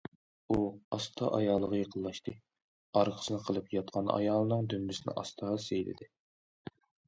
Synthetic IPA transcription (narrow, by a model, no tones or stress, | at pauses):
uɑst̪ʰɑʔɑjɑlˠːəʁəjeqʰəlˠːɑʃt̪ʰɨ | ɑɾqʰə̥sɨnɨqʰəlˠɨpjɑt̪̚qʰɑnɑ̰jɑlˠɨnɨŋd̪ynbɪsɪnɪ̰ʔɑ̰st̪ʰɑʁɑsejlɪ̰d̪ɪ